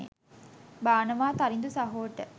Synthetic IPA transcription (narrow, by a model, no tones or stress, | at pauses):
ḛ | baːnəʋaːt̪aɾind̪usɐɦoːʋəʈə